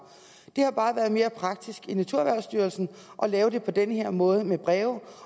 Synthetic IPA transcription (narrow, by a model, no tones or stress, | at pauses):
d̥e̝hɑ̈b̥ɑ̈ːʋæːɐð̞̩ˠme̝ːɐpʰʁɑ̈ɡ̥̚d̥isɡ̥inæt͡sʰuɐ̰ʋæɐʊsd̥yːɐlsn̩ | ʔɒ̽lɛːʊd̥e̝pʰɒ̽d̥enheɐ̰mɔ̽ːð̞ˠəmeb̥ʁɛːʊ